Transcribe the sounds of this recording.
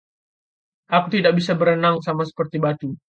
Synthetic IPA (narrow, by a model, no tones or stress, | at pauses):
ʔakut̪idak̚bisabəɾənaŋsamasə̥pərt̪ibat̪u